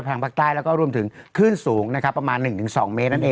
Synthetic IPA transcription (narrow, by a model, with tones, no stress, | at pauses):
pʰa˧˩ŋpʰaː˥k̚t̪aː˥˩jlɛ˦˥wkɔː˥˩ɾu˧əmt̪ʰɯ˩˦ŋkʰɯː˥˩nsuː˩˦ŋna˦˥kʰa˦˥pːɾa˧maː˧nːɯ˨˩ŋt̪ʰɯ˩˦ŋsɔ̰ː˩˦ŋmeː˦˥t̪̚na˥˩ʔeː˧